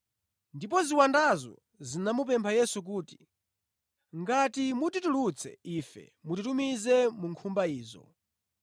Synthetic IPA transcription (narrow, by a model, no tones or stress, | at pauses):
ndip̬ɔziwandazɔ̰ | zinamup̬ɛmpʰajɛsuk̬uːti̥ | ŋɡatimutitulut͡sʰɛ̰ifɛ̰ | mutitumizɛmuŋkʰumbaiːzɔ̰